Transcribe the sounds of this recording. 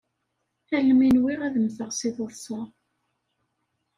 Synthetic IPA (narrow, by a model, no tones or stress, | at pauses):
θælːminwiʁæðəmθəʁsiðoðˤsˤɑ